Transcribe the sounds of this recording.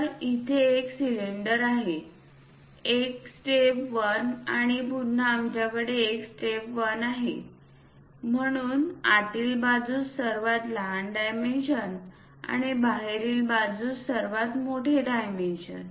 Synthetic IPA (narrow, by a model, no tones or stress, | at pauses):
ɾit̪ʰeːksileɳɖəɾaɦe | eksʈepʋənaɽ̃ibud̪nəamt͡ɕjakəɽeːksʈepʋənaɦe | m̤əɽ̃uːnaʈiːlbad͡zuːsəɾʋat̪ləɦaɳɖajmenɕən | a̰ɽ̃ibaɦeɾiːlbad͡zuːsəɾʋat̪moʈʰeɖajmenɕə̰n